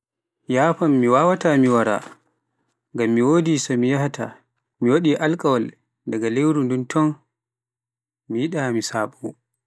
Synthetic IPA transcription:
jaːpamːiwawatamiwaɾa̰ | ŋɡamːiwoːdisamijahata̰ | miwaɗiʔalkʼawal | daɡalewɾunduntʰɔn | mijiɗamisaːɓɔ

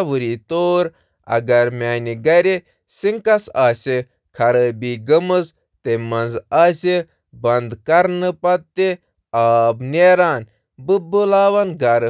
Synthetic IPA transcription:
ʋɨɾit̪oːɾ | ɐ̰ɡɐɾmaːniɡɐɾe | siŋkɐsaːsi | kʰɐɾəbiːɡəmɨz | t̪emɐnzaːsi | bɐnd̪kɐɾnɨpɐt̪ːe | aːbneːɾaːn | bɨbulaːʋɐnɡɐɾ

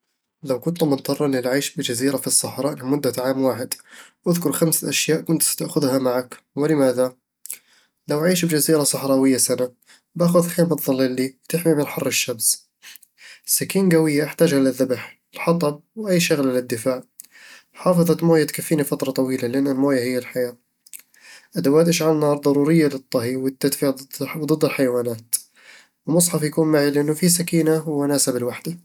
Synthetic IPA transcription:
lawkʊnt̪mʊt̪ˤʰːɑrˤːɑlɪlʕiːʃbɪd͡ʒaziːɾafisˤːɑħɾˤɑʔɪmʊd̪ːaʕaːmwaːħɪd̪wʔaðkʊɾˤxamsʔaʃjaːʔkʊnt̪st̪aʔxʊðhamaʕak | wɪlɪmaːða | lawʕiːʃbɪd͡ʒaziːɾasˤɑħɾˤɑːwɪjːasana | baxʊðxeːmat̪ˤðˤɑlːɪlːiwt̪ɪħmimɪnħɑrˤːɪʃːabs | sakiːnɡawɪjːaʔɪħt̪aːd͡ʒhalaðːabħɪlħɑt̪ˤɑb̚wʔajːʃaɣlalɪd̪ːɪfaːʕ | ħɑːfɨðˤɑt̪moːjat̪kafːiːnifat̪ɾˤɑt̪ˤɑwiːlalɪʔanːalmoːjahɪjːalħajaː | ʔad̪awaːt̪ʔɪʃʕalnɑːɾˤd̪ˤɑɾˤuːɾɪjːalɨt̪ˤːɑɦiwɪt̪ːad̪fiʕd̪ˤɨd̪ːɪlħajawaːnaːt̪ | wɪmʊsˤħɑfjakuːnmaʕilɪʔɪnːʊfisakiːnawmʊnaːsabɪlwaħd̪a

